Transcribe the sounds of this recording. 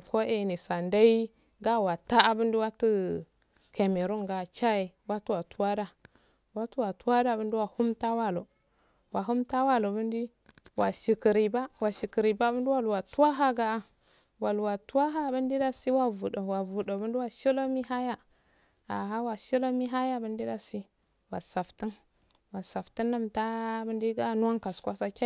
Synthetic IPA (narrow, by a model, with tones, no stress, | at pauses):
ko˦e˨ni˨sa˨nda˦i˦ | ɡa˦wa˨ta˦a˨bə˦ndi˦wa˦tu˦ | kʰe˨me˨ɾu˦ŋɡa˨t͡ʃa˦e˨ | wa˦tu˦wa˨tu˦wa˦da˦ | wa˦tu˦wa˨tu˦wa˦da˦˨bə˦ndi˦wa˨hu˦mta˦wa˦lo˨ | wa˨ɦu˦mta˦wa˦lo˨bə˦ndi˦ | wa˨ʃi˨ki˨ɾi˨ba˦wa˨ʃi˨ki˨ɾi˨ba˦bə˦ndi˦wa˦lwa˨tu˦a˦ɦa˦ɡa˦a˦ | wa˨lwa˨tu˦a˦ɦa˦˨bə˦ndi˦da˦si˦wa˨vu˨do˨wa˨vu˨ɗo˨bə˦ndi˦wa˨ʃi˦lo˦mi˦ɦa˦ja˦ | a˨ɦa˦wa˨ʃi˦lo˦mi˦ɦa˦ja˦˨bə˦ndi˦da˦si˦ | wa˨sa˨fti˦n | wa˨sa˨fti˦nːa˦mta˦bə˦ndi˦ɡa˦nu˦wa˦ŋka˨skʷa˦sa˦kʲa˦